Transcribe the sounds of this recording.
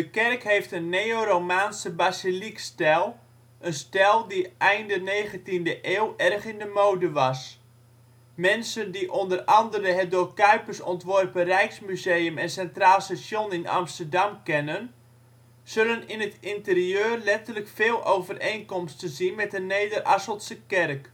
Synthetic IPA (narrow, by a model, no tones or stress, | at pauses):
dəkɛrkɦejftənːejoɾowmaːnsəbasilikstɛlˠ | ʔənstɛlˠdiʔɛjndəneːχəntindəʔeːlˠʔɛrχɪndəmowdəʋɑs | mɛnsəndiʔɔndərɑndəɾəɦɛt̚dʊːkœɥpərsɔntʋɔrpərɛjksmyzeːjəmɛnsɛntraːlˠstasjonɪnɑ̰mstərdɑmkɛnən | z̥ɵlənɪnətɪntəriøːrlɛtərləkfeːlˠʔowvərejnkɔmstənzinmɛtəneːdərʔɑsəlˠtsəkɛrk